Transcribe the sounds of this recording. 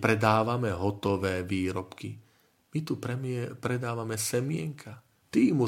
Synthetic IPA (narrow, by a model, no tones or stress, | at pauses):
pɾɛd̪aːʋamɛɦɔt̪ɔʋɛːʋiːɾɔpki | mit̪upɛmpɾɛd̪aːʋamɛsɛmɪɛŋkʰa | t̪iːmu